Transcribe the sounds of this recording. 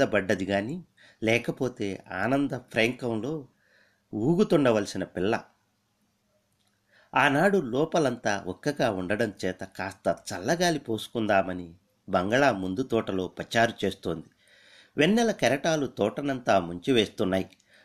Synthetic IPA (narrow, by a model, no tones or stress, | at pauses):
ɐbɐɖːɐd̪iɡaːni | lɛːkɐpo̞ːt̪e̞ːa̰ːnɐnd̪ɐpʰɾeːŋkɐmlo̞ː | uːɡut̪uɳɖɐʋɐlsinɐpilːɐ̰ | aːnaːɽulɔːpɐlɐnt̪aːʔɔkːɐɡaːuɳɖɐɽɐmt͡ʃɛːt̪ɐkaːst̪ɐt͡ʃɐlːɐɡaːlipo̞ːsu̥kund̪aːmɐni | bɐŋɡɐɭaːmund̪ut̪ɔːʈɐlo̞ːpɐt͡ʃaːɾut͡ʃe̞ːst̪oːnd̪i | ʋenːɛlɐkɐɾɐʈaːlut̪ɔːʈɐnɐnt̪aːmuɲt͡ʃiʋe̞ːst̪unːaːji